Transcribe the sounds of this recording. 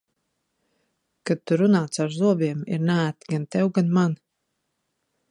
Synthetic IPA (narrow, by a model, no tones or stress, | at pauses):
kad̪̚t̪ːuɾunaːt̪saɾzuɔbiɛmḭɾnaːt̪ɡant̪ɛwɡanman